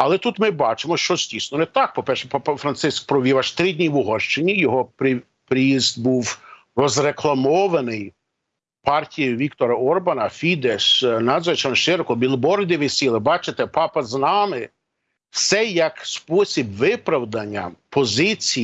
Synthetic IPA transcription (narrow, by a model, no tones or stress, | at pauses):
ɐlˠɛt̪ut̪mɪbɑt͡ʃɪmɔʃt͡ʃɔzʲdʲisnɔnɛt̪ɑk̚pɔpɛrʃɛpɑpɐfɾɐnt̪sɪsk̚pɾɔʋʲiʋɐʃt̪ɾɪdʲnʲiʋʊɦɔʃt͡ʃenʲːijɔɦɔpɾɪ | pɾɪjizd̪buw | rɔzɾeklˠɐmɔʋɐnɪj | pɑrtʲijʊʋʲikt̪ɔɾɐɔrbɐnɐfʲid̪eʃnɑzɐt͡ʃɐnɔʃɪɾɔkɔbʲilˠbɔrd̪ʲɪʋɪsʲilˠɪbɑt͡ʃet̪ɛpɑpɐznɑmɪ | wsɛjɐkspɔsʲibʋɪpɾɐwd̪ɐnʲːɐ̰pɔzɪt͡sʲi